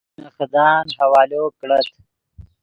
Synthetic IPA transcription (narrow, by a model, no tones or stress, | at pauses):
nɐxd̪ɑːnɦɐwɑːloːkɽɐt̪